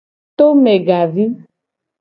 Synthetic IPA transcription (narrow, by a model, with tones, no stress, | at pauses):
t̪o˦me˨ɡa˨vi˦